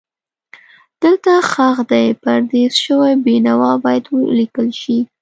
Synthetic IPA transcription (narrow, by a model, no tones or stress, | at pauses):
d̪̥əlt̪axaxd̪ajpaɾd̪ezʃəwajbenawɑbɑjad̪wəlikəlʃi